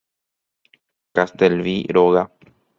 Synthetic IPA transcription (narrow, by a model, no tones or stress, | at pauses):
kast̪elβiɾoɣa